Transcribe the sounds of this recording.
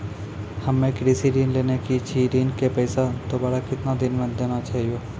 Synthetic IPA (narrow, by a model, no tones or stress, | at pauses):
hɐmːẽkɾiːsiɾiːnleːnekit͡ʃʰiɾiːnkepɛːɪsad̪obaːɾakɪt̪nad̪ɪnmẽd̪eːnat͡ʃaːɦijoː